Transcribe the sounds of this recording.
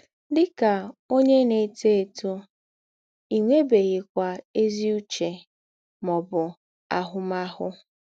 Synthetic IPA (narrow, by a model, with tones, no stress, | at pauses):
dɪ˦ka˨o˦ɲe˦ne˨te˦e˨tu˦ | i˨ŋʷe˦be˨ɣɪ˨kʷa˨e˦zi˦u˦t͡ʃe˨ | mɔ˨bʊ˨ | a˨ɦʊ˦ma˦hʊ˦